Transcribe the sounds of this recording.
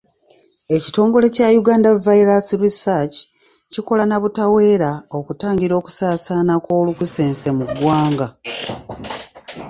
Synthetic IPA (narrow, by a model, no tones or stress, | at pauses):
e̞ci̥to̞ːŋɡo̞le̞cajuɡaːndavaiɾasiɾisat͡ʃi̥ | ciko̞lanaβutawe̞ːɾao̞kutaːɲɟiɾo̞ːku̥saːsanako̞ːlukuse̞ːnsemuɡwaːŋɡa